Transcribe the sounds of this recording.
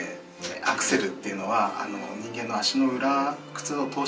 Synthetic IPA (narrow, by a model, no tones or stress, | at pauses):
akɯ̟̥se̞ɾɯ̟t̪ːe̞iɯ̟no̞βaa̰no̞ɲ̟ĩŋɡẽ̞nːo̞aɕino̞ɯ̟ɾakɯ̟̥t͡sɨot̪o̞ː